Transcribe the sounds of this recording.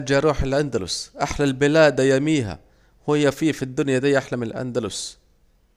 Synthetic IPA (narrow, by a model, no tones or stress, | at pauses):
d͡ʒaɾuːħɪlʔand̪alʊ̰sʔaħlalbɪlaːd̪ajamiːɦa̰ | hʊjːafiːfid̪ːʊnjad̪iːʔaħlamɪlʔa̰nd̪alʊs